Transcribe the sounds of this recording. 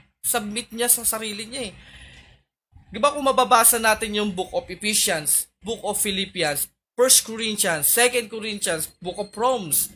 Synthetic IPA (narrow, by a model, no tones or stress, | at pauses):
sɐb̚mɪt̪̚ɲasɐsɐɾiːlɪɲaɛ | ɡɪbakʊŋmːɐbabaːsɐnaːt̪ɪnjʊŋbuk̚ʔopɪfiʃjɐns | bʊkʔofɪlipjɐns | fɛɹst̪̚koɹint͡ʃɐnsːɛkɛnd̪̚koɾint͡ʃɐnsbʊkopɹoms